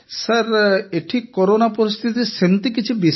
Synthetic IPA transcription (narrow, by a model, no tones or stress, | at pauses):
saɾeʈʰikːɔɾonapɔɾist̪ʰit̪̬isent̪ikit͡ʃʰubi